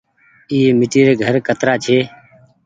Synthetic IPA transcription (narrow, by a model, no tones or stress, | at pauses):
iːeːmɪʈiːɾeːɡʱəɾkət̪ɾaːt͡ʃʰeː